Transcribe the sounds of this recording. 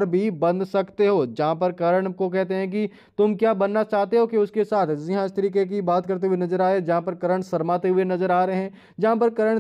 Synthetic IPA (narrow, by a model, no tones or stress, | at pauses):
ɾbʱibɐ̃nd̪sɐkt̪eɦoːd͡ʒɐɦãpɐɾkɐɾəɽ̃kok̬ɛɦt̪eɦɛ̃k̬i | t̪ʊmkjaːbɐnːat͡ʃaːɦt̪eɦokiʊskesaːt̪ʰzɪɦãːd͡ʒt̪ɐɾiːkek̬ibaːt̪kɐɾt̪̬eɦʊenɐzəɾaːed͡ʒɐɦãpɐɾkɐɾəɽ̃sɐɾmaːt̪eɦʊenɐzəɾaːɾɐeɦɛ̃ː | d͡ʒɐɦãpɐɾkɐɾəɽ̃